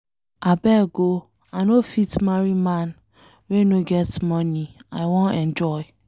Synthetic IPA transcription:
abɛɡo | anofitmaɹimãn | wẽnoɡɛtmɔniaɪwõnɛ̃nd͡ʒɔɪ

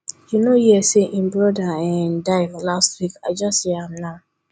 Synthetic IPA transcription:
junojɛseʔĩmbɹɔdaɛ̃ndaɪvlastwikad͡ʒasjɛamnã

